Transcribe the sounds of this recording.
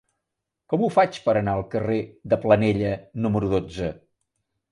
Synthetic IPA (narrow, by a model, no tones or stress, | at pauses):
kɔmufat͡ʃpəɾənaəlˠkəreðəplənɛʎənuməɾuðod͡zə